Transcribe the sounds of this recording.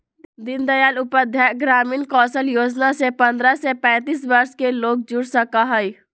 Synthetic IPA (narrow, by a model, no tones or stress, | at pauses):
d̪ɪnd̪əjaːlʊpəd̪ʱjaɡɾaːmiːnkɔːsəljoːd͡ʒnasepɐ̃nd̪ɾasepɛ̃ːt̪iːsbɐɾʃkeloːk̚d͡ʒʊɽsəkaɦɛi